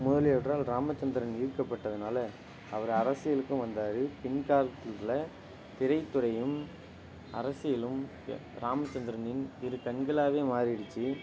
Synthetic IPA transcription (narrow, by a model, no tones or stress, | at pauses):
mʊðɐljɛʈrɾaːlɾaːmɐt͡ʃːɐnd̪ɪɾɐniːɾɯkːɐpːɐʈːɐðɯnaːlɐ | ɐʋɐɾɐɾɐsɪjɐlɯkːɯmʋɐnd̪aːɾɯpɛɳkaːɾɐt̪ːɪllɐ | t̪ɪɾɐɪt̪ːɯɾɐjɯm | ɐɾɐsɪjɪlɯm | ɾaːmɐt͡ʃːɐnd̪ɪɾɐnɪnt̪ɪɾɯkɐnɡɐlaːʋeːmaːɾɪɽɯt͡ʃːi